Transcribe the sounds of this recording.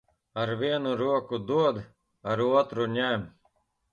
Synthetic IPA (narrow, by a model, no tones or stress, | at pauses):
aɾviɛnuɾuɔkud̪uɔd̪ | aɾuɔt̪ɾuɲæm